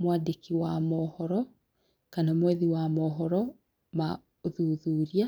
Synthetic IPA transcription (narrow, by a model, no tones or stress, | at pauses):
mwadekiwamɔhɔɾɔ | kanamwɛðiwamɔɦɔɾɔ | ma | oðuðuɾia